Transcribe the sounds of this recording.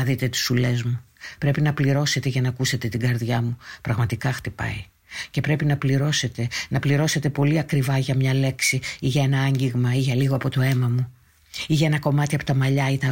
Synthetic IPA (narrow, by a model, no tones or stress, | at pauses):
ɐðit̪e̞t̪i̥sule̞zmupɾe̞pinɐpliɾo̞se̞t̪e̞ʝɐnɐkuse̞t̪e̞t̪iɡɐɾðʝɐmupɾɐɣmɐt̪ikɐxt̪ipɐ̰i | ce̞pɾe̞pinɐpliɾo̞se̞t̪e̞nɐpliɾo̞se̞t̪e̞po̞liɐkɾivɐʝɐmɲɐle̞ksiiʝɐe̞nɐɐɲɟiɣmɐiʝɐliɣoɐpo̞t̪o̞e̞mɐmu | iʝɐe̞nɐko̞mɐt̪iɐpo̞t̪ɐmɐʎɐit̪ɐ